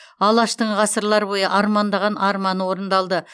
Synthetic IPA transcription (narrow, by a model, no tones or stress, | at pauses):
ɑlˠɑʃt̪əɴʁɑsəɾlˠɑɾbo̞jəʔɑɾmɑnd̪ɑʁɑnʔɑɾmɑnwo̞ɾənd̪ɑlˠd̪ə